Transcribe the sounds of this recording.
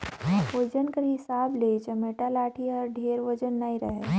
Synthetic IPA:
od͡ʒənkɐɾɦɪsaːbleːt͡ʃɐmeːʈalaːʈʰiɔːɾɖʱeːɾʋod͡ʒənːaĩɾɐɦe

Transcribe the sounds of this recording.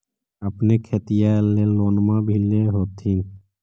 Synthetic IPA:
əpnekʰet̪ijaleloːnmãbʱileɦoːt̪ɦin

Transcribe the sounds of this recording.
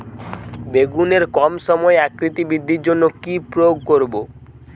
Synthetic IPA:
beɡuneɾkɔmʃɔmɔeɛkɾit̪ibid̪ʱːiɾd͡ʑonːokipɾojoɡ̚koɾbo

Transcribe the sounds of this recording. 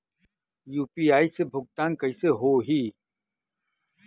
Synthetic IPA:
juːpiːaːisebʱʊɡ̚t̪aːnkɐiseɦoːɦiː

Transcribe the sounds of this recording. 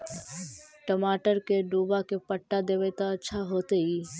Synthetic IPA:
ʈəmaːʈəɾkeɖuːbakepəʈːad̪eʋɛt̪aətːʃʰaɦoːt̪ei

